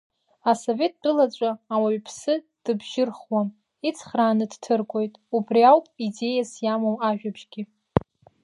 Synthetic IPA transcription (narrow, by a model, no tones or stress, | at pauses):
aso̞ve̞t̚ʼdɨlat͡ʃʷʼaːwaɥpʰsɨ | d̥ɨbʒɪrχwam | it͡sʰχraːnɨdtʰɨrɡʷo̞jtʼubriawpʼide̞jasjamowaʒᶣabʒɡʲi